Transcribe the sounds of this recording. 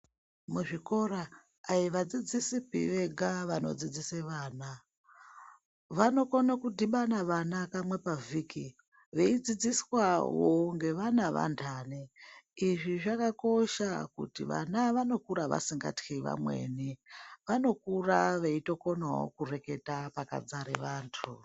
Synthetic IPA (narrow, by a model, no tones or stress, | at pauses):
muʐiko̞raː | iʋad͡zid͡zisipḭʋe̞ɡʱaʋano̞̰d͡zid͡ziseʋaːna | ʋano̞konokudiɓanaʋanakamwe̞paviːki | ʋe̞id͡zid͡ziswawoŋɡe̞ʋanaʋa̰ntʰaːniiʐiʐakako̞ʃakṵtiʋa̰naʋano̞kuɾaʋa̰siŋɡa̰txiʋa̰mwe̞̰niʋano̞kuraʋeito̞ko̞nawo̰kure̞ke̞tapaka̰d͡zaɾḛʋaːntʰṵ